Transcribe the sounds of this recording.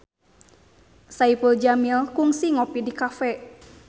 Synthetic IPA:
saipuld͡ʒamilkuŋsiŋɔpidikafɛ

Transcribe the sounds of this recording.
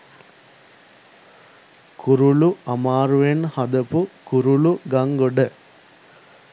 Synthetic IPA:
kʰuɾuluɐmaːɾuʋenhɐd̪əpukuɾuluɡaŋɡoɖə

